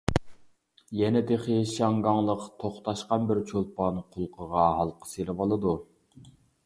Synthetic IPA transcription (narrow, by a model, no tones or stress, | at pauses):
jɛnɛt̪eχɪʃɑŋɡɑŋlˠəqt̪ʰoχt̪ʰɑʃqɑnbɪɾt͡ʃʰolˠpɑnqʰʊlˠqʰəʁɑɦɑlˠqʰə̥selɪbɑlˠɨd̪u